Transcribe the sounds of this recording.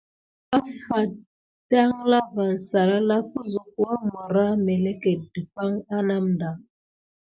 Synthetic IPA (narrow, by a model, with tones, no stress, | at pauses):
a˦fa˨ | da˦ŋla˦va˨n̩˨sa˨ɾa˦la˦ku˦zu˨k̚u˦a˦mɔ˨ɾa˦mɛ˨lɛ˦ke˨di˨pa˦ŋa˦na˦mda˨ŋ